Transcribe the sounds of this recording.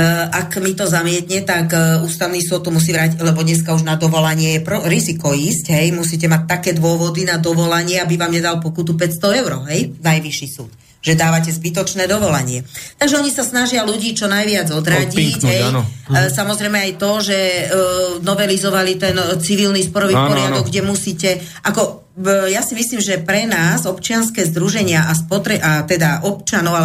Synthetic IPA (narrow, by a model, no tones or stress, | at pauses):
ʔakmit̪ɔzamɪɛt̪ɲɛt̪akuːst̪aʊnisɔt̪̚ːɔmus̬iːʋɾaclɛbɔɲɛs̬kauʒnad̪ɔʋɔlaɲɪɛjɛpɾɔɾizikɔiːscɦɛjmusiːcɛmac̚t̪ːakɛːd̪ʊɔʋɔd̪inad̪ɔʋɔlaɲɪɛabiʋaːmɲɛd̪alpɔkut̪up̬ɛcst̪ɔɛʊɾɔɦɛjnajʋiʃisuːt̪ | ʒɛd̪aːʋacɛzbit̪ɔt͡ʃnɛːd̪ɔʋɔlaɲɪɛt̪aɡʒɛɔɲisasnaʒɪaluɟiːt͡ʃɔnajʋɪad͡zɔd̪ɾaɟiɟɦɛjsamɔzɾɛjmɛajt̪ɔʒɛ | nɔʋɛlizɔʋalit̪ɛnt͡siʋilnispɔɾɔʋipɔɾɪad̪ɔɡɡɟɛmusiːcɛ | ʔakɔ | jasimisliːmʒɛpɾɛnaːzɔpt͡ʃɪanskɛːzd̪ɾuʒɛɲɪaʔaspɔt̪ɾɛʔat̪ɛd̪aʔɔp̚t͡ʃanɔʊa